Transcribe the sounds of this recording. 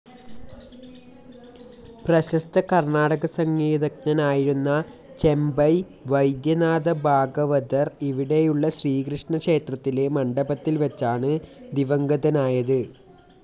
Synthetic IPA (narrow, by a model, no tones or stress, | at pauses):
prɐɕɐst̪ɐkɐrɳaːɽɐɣɐsɐŋɡiːðɐknɐnaːjiɾunːɐ | t͡ɕe̞mbɐj | ʋɐjd̪jɐnaːðɐbʱaːɡɐʋɐd̪ɐriʋiɽe̞juɭːɐɕriːkɾɨʂɳɐkʂe̞ːt̪rɐt̪ːile̞mɐɳɖɐbɐt̪ːilʋɐt͡ɕːaːɳɨd̪iʋɐŋɡɐðɐnaːjɐðɨ